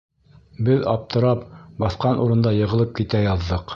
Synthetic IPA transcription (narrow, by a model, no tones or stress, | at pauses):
bɘðɑ̰p̚t̪ɤ̆ɾɑpbɑθqɑnʔuɾɤ̆nd̪ɑjɤ̆ʁɤ̆lˠɤp̚kit̪æjɑðːɤq